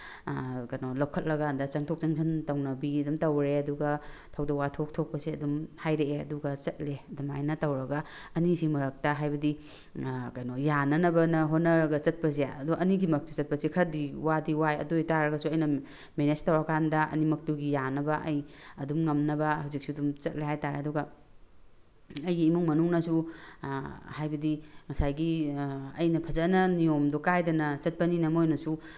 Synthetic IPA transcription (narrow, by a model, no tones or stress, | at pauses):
kajnolawkʰɐt̚lɐɡandɐt͡ʃɐŋtʰok̚t͡ʃɐŋsʰantɐwnɐbiɐdumtɐwɾeɐduɡɐtʰɐwdɐwatʰok̚tʰok̚pɐseɐdumhajɾeeɐ̰duɡɐt͡ʃɐt̚ledumajnɐtɐwɾɐɡɐ | ɐnisimɐɾɐk̚tɐɦajbɐdi | kajnojanɐnɐbɐnɐɦonːɐɾɐɡɐt͡ʃɐt̚pɐsiaɐduʔɐniɡimɐk̚tiɐt̚pɐsikʰɐɾɐdiwadiwajɐ̰dojtaɾɐɡɐsuɐjnɐ | menestawakʰandɐʔɐ̰nimɐk̚tuɡijanɐbɐʔɐjɐdumŋɐmnɐbɐhawzik̚suɐdumt͡ʃɐt̚laɦajtaɾeɐduɡɐ | ɐjɡiːmuŋmɐnuŋnɐsu | hajbɐdiŋɐsajɡiɐ̰jnɐpʰɐzɐnɐnijomdɔkajdɐnɐt͡ʃɐt̚pɐninɐmojnɐsu